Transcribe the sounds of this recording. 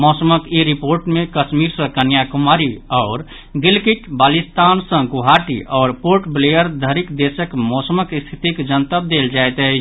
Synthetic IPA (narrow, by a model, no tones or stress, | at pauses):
mɔːsəməkiɾipoːɾʈmẽkəsmiɾsə̃kənjakʊmaːɾiɔːɾ | ɡɪlkiʈbaːlist̪aːnsə̃ɡuɦaːʈḭʔɔːɾpoːɾʈblejəɾd̪ʱəɾikd̪eːsəkmɔːsəməkst̪ʰit̪ikd͡ʒənt̪əb̚d̪eld͡ʒaet̪ɦɛ